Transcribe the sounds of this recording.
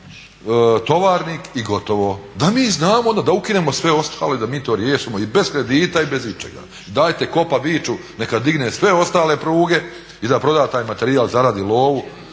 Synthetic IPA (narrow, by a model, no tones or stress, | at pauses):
t̪o̞ʋaːɾniːkiɡo̞t̪o̞ʋo̞d̪amiːznaːmood̪ad̪aukine̞mo̞sʋe̞o̞st̪ʰaːle̞d̪amiːt̪o̞ːɾjeːʃimo̞ibe̞zkɾe̞d̪iːt̪aibe̞zit͡ʃḛɡa̰ | id̪aːjt̪e̞ko̞paʋiːt͡ʃune̞kad̪iɡnesʋe̞o̞st̪aːle̞pɾuːɡe̞ | id̪apɾo̞d̪aːt̪aːjmat̪e̞ɾiaːlˠzaɾad̪ilˠo̞ːʋu